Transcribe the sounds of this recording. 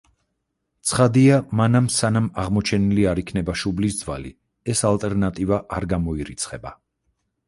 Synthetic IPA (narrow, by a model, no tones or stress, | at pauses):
t̪sʰχad̪iamanamsanamaʁmɔt͡ʃʰɛniliaɾikʰnɛbaʃublisd̪zva̰li | ɛsalˠt̪ʼɛɾnat̪ʼivaʔaɾɡamɔiɾit̪sʰχɛba